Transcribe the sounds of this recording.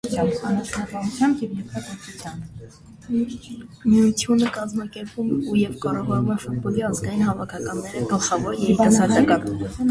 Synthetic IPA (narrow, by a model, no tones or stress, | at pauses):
ɑmɑnət͡ʃʰnɑkɑmut͡sʰjɑmbjɛvjɛɾt̪ʰɑkɔɾt͡sʰut͡sʰjɑn | miut̪ʰjunəkɑzmɑkɛɾpumɛujɛvkɑɾɔʁɑnumɛʃut̪bɔliɑzɡɑjinɦɑvɑkʰɑkɑnːɛɾəɡəlχɑvɔɾjɛɾit̪ɑsɑt̪ɑkɑn